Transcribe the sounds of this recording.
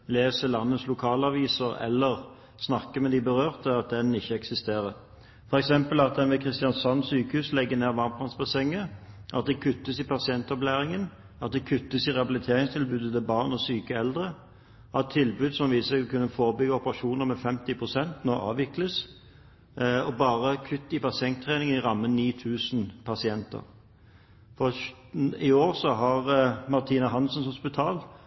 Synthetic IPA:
leːsəlɑnːət̪slʊkʰɑːlɑʋiːsəʁɛ̰lːəʁ | snɑkːəmɛd̪ɪbəʁøːʁt̪əɑt̪̚d̪ɛnɪçːəɛksɪst̪eːʁəɾ | fɔɾɛksɛmpəlɑt̪̚d̪ɛnʋɛkʰʁɪst̪ɪɑnsɑnːsyːkəhʉːslɛɡːəneːʁʋɑʁnp̪ʰɑnsbɑsɛŋːəʔɑt̪̚d̪ɛkʰʉt̪ːəsɪpɑsɪɛnt̪ɔplæːʁɪŋən | ɑt̪̚d̪ɛkʰʉt̪ːəsɪʁɛhɑbɪlɪt̪ʰeːʁɪŋst̪ʰɪlbʉːd̪ət̪ɛbɑʁnɔsyːkəɛld̪ʁə | ɑt̪ʰːɪlbʉːd̪sɔmʋiːssɛɡkʉnːəfoːʁəbʏɡəɔpəʁɑʃuːnəʁmɛfɛmt̪ɪpʰʁʊsɛnt̪nɔʔɑ̰ːʋɪkləs | ɔbɑːʁəkʰʉt̪ːɪpɑsɪɛŋt̪ʰːʁeːnɪŋəɪʁɑmːəniːt̪ʰʉːsn̩pʰɑsɪɛnt̪ə̰ʁ | fɔ | ɪoːʁsɔɦɑʁmɑʁt̪ʰiːnɑɦɑnsɔnsʊspɪt̪ʰɑːl

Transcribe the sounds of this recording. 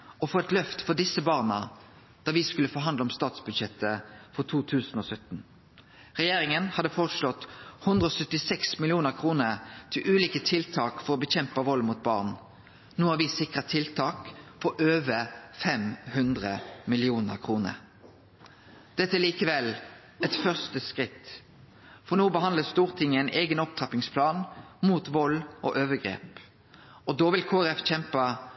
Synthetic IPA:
ʔɔfoːɛt̪lœft̪fɔʁd̪ɪsːəbɑːʁnə | d̪̥ɑːʋɪskʉlːəfɔːɦɑnd̪ɔmst̪ɑːt̪sbʉd̪ʃɛt̪ːəfɔʁt̪ʰuːt̪ʰʉːsn̩ɔsœt̪n̩ | ʁɛjeːɾɪŋənhɑd̪ːəfɔʁt̪slɔt̪hʉnd̪ʁəɔsœt̪ːɪsɛksmɪlɪuːnəʁkʰʁuːnəʁt̪ʰɪlʔʉːliːkət̪ʰɪlt̪ʰɑːkfɔɾɔbəçɛmpəʋɔlmut̪̚bɑ̰ːʁn | nuːɑʋɪsɪkʁət̪ʰɪlt̪ʰɑːkfɔʔøːʋəfɛmhʉnd̪ʁəmɪlɪuːnəʁkʰʁuːnə̰ʁ | d̪̥ɛt̪ːəæliːkəʋɛl | ɛt̪fœʁst̪əskʁɪt̪ː | fɔʁnoːbəɦɑnəst̪uːʁt̪ʰɪŋːəæɪneːɡənɔpt̪ʰʁɑpɪŋspʰlɑːnmuːt̪ʋɔlʔɔ̰ʔøːʋəɡʁḛːp | ɔd̪oːʋɪlkʰoːɛʁɛfc͡çɛmpɑ

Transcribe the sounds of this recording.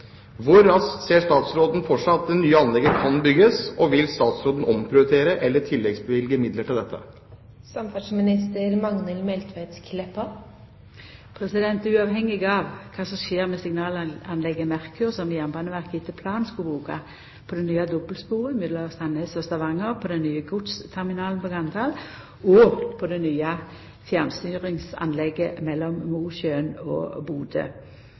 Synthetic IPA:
ʋʊɾːɑsseːʂt̪ɑːt̪sɾoːd̪n̩fɔʈʂɑɑt̪ːɛnːyːəɑnlɛɡəkʰɑnbʏɡəsɔʋɪlst̪ɑːt̪sɾoːd̪n̩ɔmpʰɾɪʊt̪ʰeːɾəʔɛlːəʈʰɪlːɛɡsbəʋɪlɡəmɪd̪ləʈʰɪld̪ɛt̪ʰːə̰ | sɑmfæʈsmɪnɪst̪əɾmɑŋnəlmɛlt̪ʰʋæɪt̪kʰlɛpɑ | pʰʁɛsɪd̪ɛnt̪ʉɑːʋɦɛŋːɪɡɑʋkʰɑːsɔmʃeːʁmɛsɪŋnɑːlɑnlɛɡːəmæʁkʉʁsɔmjɛmbɑːnəʋæʁkɪt̪ʰəpʰlɑːnskubuːkɑ̰ | pʰɔd̪ɛnyːɑd̪ɔbəlspuːʁəɪmɪd̪ləst̪ɑnəsɔst̪ɑʋɑŋːəʁpʰɔd̪ɛnnːyːəɡʊt̪st̪ʰɛʁmɪnɑːlnpɔɡɑnt̪ʰɑl | ɔpʰɔd̪ɛnyːɑ | fjæʁnst̪yːʁɪŋsɑ̰nlɛɡːəmɛlːɔmmuːʃøːnɔ̰buːd̪ə̰

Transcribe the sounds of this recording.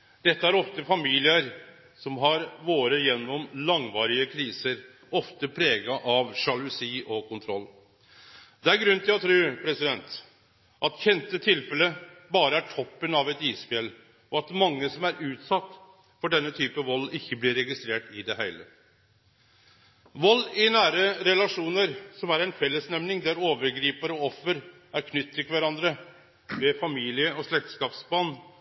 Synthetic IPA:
d̪̥ɛt̪ːəæɾɔft̪əfɑmiːlɪəɾ | sɔmɦɑɾʋoːɾəjɛnːɔmlɑŋʋɑːɾɪəkʰɾiːsəɾ | ɔft̪əpʰɾeːɡɑʔɑʋʂɑlʉsiːʔɔkʊnt̪ʰɾɔlː | d̪ɛæɾɡɾʉnt̪ʰɪlɔt̪ʰɾʉːpʰɾɛsɪd̪ɛnt̪ | ʔɑt̪çɛnt̪ət̪ʰɪlfɛləbɑːɾəæʈʰɔpːənɑʋɛt̪iːspɛl | ɔɑt̪mɑŋːəsɔmæɾʉːt̪sɑt̪ː | fɔɖɛnːət̪ʰyːpəʋɔlːɪçːəblɪɾːɛɡɪst̪ɾeːʈɪd̪ɛhæɪlə | ʋɔlːɪnæːɾəɾɛlɑʂuːnəɾsɔmæɾɛɪnfɛlːəsnɛmnɪŋd̪ɛæɾoːʋəɾɡɾiːpəɾəɔɔfːəɾ | æɾkʰnʏt̪ʰːɪlkʋæɾɑnd̪ɾə | ʋɛfɑmiːlɪəɔʂlɛk̚t̪skɑːpsbɑːn

